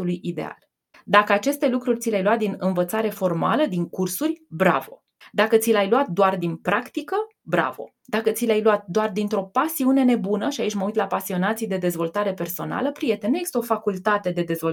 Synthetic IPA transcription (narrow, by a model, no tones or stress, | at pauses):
ulujid̪e̞̰a̰l | d̪akəat͡ʃe̞st̪e̞lukɾurʲt̪silʲajluwat̪̚d̪inɨnvət̪saɾe̞fo̞rma̰ləd̪iŋkursurʲbɾa̰vo̞ | d̪akət̪silajluat̪̚d̪oard̪inpɾakt̪ikə | bɾa̰vo̞̰ | d̪̥akət̪silʲajluat̪̚d̪oard̪int̪ɾo̞pasiune̞ne̞bunəʃiait͡ʃʲməujt̪lapasio̞nat̪sijd̪e̞d̪e̞zvo̞lt̪aɾe̞pe̞rso̞na̰ləpɾije̞t̪e̞neksi̥t̪o̞fakult̪at̪ed̪e̞d̪e̞zvo